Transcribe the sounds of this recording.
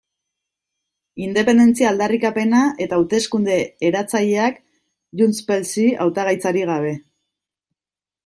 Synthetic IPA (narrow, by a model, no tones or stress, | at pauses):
ind̪e̞pe̞nd̪e̞nt͡siaːld̪arikape̞naʔe̞t̪aːut̪e̞skund̪e̞ːɾat͡saʎeak | ʝunspe̞lsia̰wt̪aɣ̞ajt͡saɾiɣ̞aβ̞e̞